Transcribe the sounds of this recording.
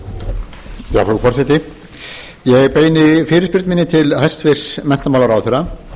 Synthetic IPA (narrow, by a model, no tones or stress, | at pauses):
pja̰fɾufɔrsɛt̪ɪ | jɛɣpeːjnɪfɪːɾɪspɪɾt̪mɪnːɪt̪ʰɪlhast̪fɪr̥smɛn̥t̪amawlaɾaːwθʏɾa